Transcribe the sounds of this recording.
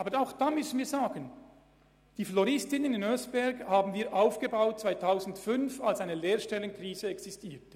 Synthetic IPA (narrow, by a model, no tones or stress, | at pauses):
aːbəaʊxd̥aːmʏsən̩viːɐzaːɡən | d̥iːflɔʁɪstɪnənɪnœsbɛɐɡhaːbn̩viːɐʔaʊfɡ̥əbaʊt̚t͡sv̥aɪtʰaʊzn̩tfʏnfalsaɪnəleːɐʃtɛləŋkriːzəɛksɪstiːtə